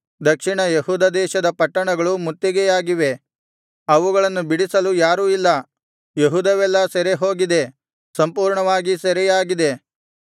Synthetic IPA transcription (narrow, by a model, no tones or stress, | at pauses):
d̪ɐkʂiɳɐjeɦuːd̪ɐd̪ɛːʃɐd̪ɐpɐʈːɐɳɐɡɐɭumut̪ːjɐɡɛjaːɡiʋe̞ | ɐʋuɡɐɭɐnːubiɽisɐlujaːɾuːilːɐ | jeɦuːd̪ɐʋɛlːɐsɛɾeɦo̞ːɡid̪e̞ | sɐmpuːɾɳɐʋaːɡisɛɾɛjaːɡid̪e̞